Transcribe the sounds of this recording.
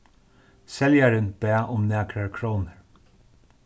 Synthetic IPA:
sɛljaɾənb̥æːʔʊmnæːkɾaɹkʰɹoːnəɹ

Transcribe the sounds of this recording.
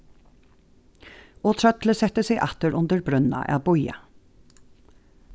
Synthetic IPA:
ʔoːt̪ʰɾœt̪ləsɛt̪əseɪʔɑt̪əɾʔʊnd̪əɹbɾʉnɑ̰ʔæ̰ːbɔʏə̰

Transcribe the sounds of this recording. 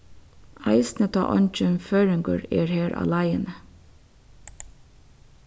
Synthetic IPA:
ɑ̰ɪsnət̪ʰɑ̰ːʔɔnt͡ʃʉnføːɹɪŋɡəɹḛːɹheːɹʔɑ̰ːlɑɪənə

